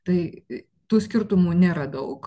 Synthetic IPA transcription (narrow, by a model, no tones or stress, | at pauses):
t̪ɐɪ | t̪uːsʲkʲɪɾt̪ʊmuːnʲeːɾɐd̪ɐʊk